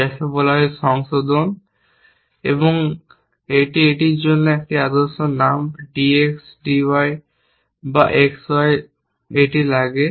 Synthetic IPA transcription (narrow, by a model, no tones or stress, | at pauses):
ɛkʰebolaɦeʃɔŋsod̪on | eboŋ | eʈieʈiɾd͡ʑonːoɛk̚ʈiad̪oɾʃonamɖieksɖiwaj | baʔekswaj | eʈilaɡe